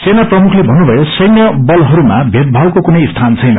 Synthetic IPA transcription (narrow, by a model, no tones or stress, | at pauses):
senaprʌmukʰlebʱʌnːubʱʌjosʌjnjʌbʌlɦʌɾumabʱet̪̚bʱawkokunʌjst̪ʰant͡sʰʌjnʌ